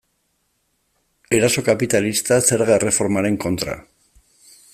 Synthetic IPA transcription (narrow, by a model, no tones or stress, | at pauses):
e̞ɾaso̞kapit̪alist̪ase̞ɾɣere̞fo̞ɾmaɾe̞ŋko̞nt̪ɾa̰